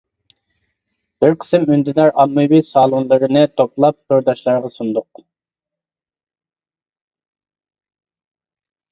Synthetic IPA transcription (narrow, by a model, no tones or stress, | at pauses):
b̥ɪɾqʰə̥sɨmynd̪ɪd̪æɾʔɑnːujbijsɑːlˠunlˠɨɾɨnɨt̪ʰoplˠɑp̚qoɾd̪ɑʃlˠɑɾʁɑsund̪ʊq